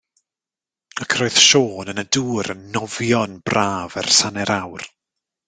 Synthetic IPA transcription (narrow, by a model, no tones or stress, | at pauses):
akʰroɨð̥ʃoːnənəduːɾənːɔvjɔnb̥raːvɛrsanɛɾawr